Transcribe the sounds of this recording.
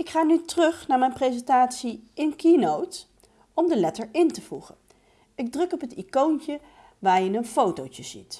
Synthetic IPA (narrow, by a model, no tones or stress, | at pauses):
ɪkχaːnytərɵχnaːɹmɛjnprejzɛntaːtsiɪnkinowt | ɔmdəlɛtəɹɪntəvuχən | ɪɡ̚drɵkɔpətikont͡ʃə | ʋaːɹjəɪnənfowtowcəz̥ḭt